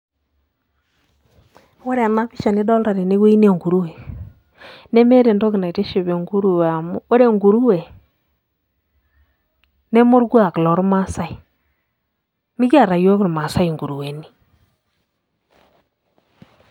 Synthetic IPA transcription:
wo˦ɾe˨na˦pɪ˦ʃa˨ne˦dɔ˦lɾa˨ɾe˨ne˦ɡe˦i˦n˦e˨ŋɡu˨ɾu˦we˨ | ne˦me˦ɾe˨ndo˦kɪ˨na˨te˦ʃɪ˨βe˨ŋɡu˦ɾu˦we˨a˨m˦wo˦ɾe˦˨ŋɡu˨ɾu˦we˨ | ne˦mo˦ɾɡu˦a˦˨klɔ˨ɾma˦sa˦i˨ | nɪ˦ka˦˨ɾa˨jo˦ɪ˦ɾma˨sa˦i˨ŋɡu˨ɾu˨we˨ni˦

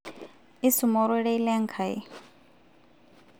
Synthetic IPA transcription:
i˦su˨mɔ˨ɾɛ˦ɺɛ˦i˦lɛ˦ŋ̩kʰa˨ḭ˨

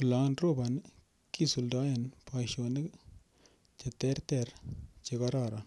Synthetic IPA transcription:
kla˨nɾo˦˨ba˨n˦ | ki˦su˨lda˦je˨npʰa˨ʃo˨nɪ˦ | t͡ʃe˨tɛ˦ɾtɛ˨ɾt͡ʃe˧ka˦ɾa˦˨ɾa˨n

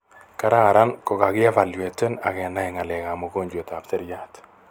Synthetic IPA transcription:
ka˦ɾa˦˨ɾa˦nkɔ˨ka˨kɪ˦a˦va˨ljwe˨tɛ˦na̰˨kɛ˨na˨ɪ˨ŋa˨lɛ˨ka˨mo˨ko˦ɲd͡ʒo˨ta˨p̚te˦ɾja˦t

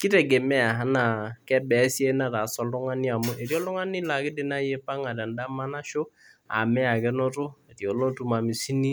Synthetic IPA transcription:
kɪ˦tɛ˨ɡe˨mɛ˦a˨ɦa˨˦na˨kɛ˦bɛ˨˦si˦e˦na˦ta˨sɔ˦lʊ˦ŋa˦ni˦a˨mʊ˦ʔe˨ɾjɔ˦lʊ˦ŋa˦nɪ˦la˨kɪ˦dɪ˦na˦je˦pa˦ŋa˨da˨nda˦ma˦na˦ʃo˦ | a̰˨mɛ˦a˨kɛ˦no˦tʊ˦e˨ɾjo˨lo˦tu˨˦ma˨mɪ˨si˦ni˦

